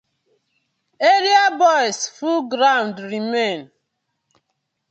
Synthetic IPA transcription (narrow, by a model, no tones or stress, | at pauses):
eɾiabɔjsfulɡɾãndɾimẽn